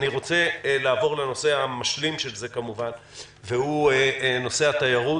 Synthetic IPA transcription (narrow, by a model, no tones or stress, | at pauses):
niʁo̞t͡se̞laːvo̞ʁleno̞se̞amaʃlimʃe̞lze̞kamuvan | vehueno̞se̞hat̪ajaʁu